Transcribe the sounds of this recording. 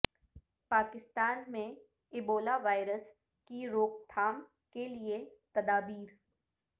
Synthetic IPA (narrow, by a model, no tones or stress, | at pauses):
paːkɪst̪aːnmẽ | ɪboːlaʋaːɪɾəs | kiɾoːkt̪ʰaːm | keliet̪ɐd̪aːbiːɾ